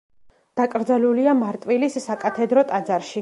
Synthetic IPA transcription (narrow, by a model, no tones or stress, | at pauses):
d̪̥akʼɾd̪zaluliamaɾt̪ʼwilisːakʼat̪ʰɛd̪ɾɔt̪ʼad̪zaɾʃi